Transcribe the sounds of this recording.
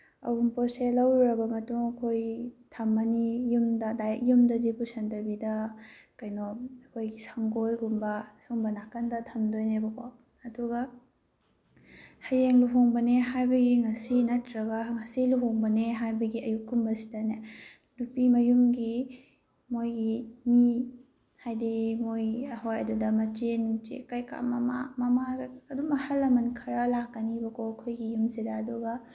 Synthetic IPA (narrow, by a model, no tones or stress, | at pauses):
ɐ̰wumposelɐwɾɐbɐmɐtuŋɐkʰojtʰɐmːɐnijumdɐdajek̚jumdɐdipusɐndɐbidɐkɐjnoɐkʰojɡisaŋɡojɡumbɐsuŋbɐnakɐndɐtʰɐmdojnebɐkʰwa | ɐduɡɐ | hɐjeŋluɦoŋbɐneɦajbɐɡiŋɐsinɐtɾɐɡɐŋɐsiluɦoŋbɐneɦajbɐɡiɐjukːumbɐsi̥dɐne | nupimɐjumɡi | mojɡimi | hajdimojɐhojɐdudɐmɐt͡ʃenut͡ʃḛkajka̰mɐma̰mɐmaɐdumɐhɐlːɐmɐnkʰɐɾɐlakːɐnibɐkokʰojɡijumsidɐːduɡɐ